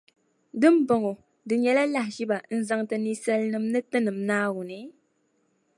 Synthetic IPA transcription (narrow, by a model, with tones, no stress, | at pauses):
dɨ˦m˦bɔ˨ŋo˨ | dɨ˨ɲɛ˨la˦la˦hʃi˦ba˨n̩˦zɨ˦ŋtɨ˨ni˦sɛ˦lnɨ˦mnɨ˦tɨ˦nɨ˨mnaː˦wu˨ni˨˦